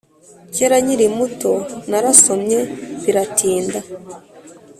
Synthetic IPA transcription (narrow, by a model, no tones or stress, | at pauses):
ceɾaɲiɾimuto̞naɾaso̞mɲe̞βiɾatʰiːnda